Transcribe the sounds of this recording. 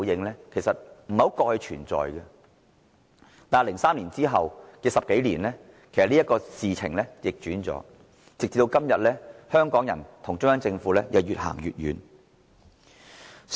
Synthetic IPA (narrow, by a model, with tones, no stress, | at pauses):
jɪ˧ŋlɛː˥kʰe˨˩jsɐ˨t̚m̩˨˩hɐ˨˥wkɔː˧k̚hɵ˧ɥt͡ʃʰyː˨˩nt͡sɔ̰ː˨jɡɛ˧ | t̪aː˨˩nlɪ˨˩ŋsaː˥mliː˨˩nt͡siː˥ɦɐ˨wkɛː˧sɐ˨p̚ke˨˥jliː˨˩nlɛː˥ | kʰe˨˩sɐ˨liː˥ɐ˥t̚kɔː˧siː˨t͡sʰɪ˨˩ŋlɛ˥jɪ˨k̚t͡ʃyː˨˥nt͡sɔ̰ː˨˥ | t͡sɪ˨k̚t͡si˧t̪wkɐ˥mjɐ˨t̚lɛː˥hœː˥ŋkɔː˨˥ŋjɐ̰˨˩nt̪ʰʊ˨˩ŋt͡ʃʊ˥ŋjɐ˨˥ŋt͡sɪ˧ŋfuː˨˥lɛ˥jɐ˨˧wjyː˨t̚ha̰ː˨˩ŋjyː˨t̚jy̰ː˨˧n